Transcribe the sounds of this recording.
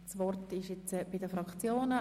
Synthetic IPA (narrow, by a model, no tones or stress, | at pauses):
sʋɔrtɪʃjɛt͡sb̥idəfɾɑkt͡sjoːnə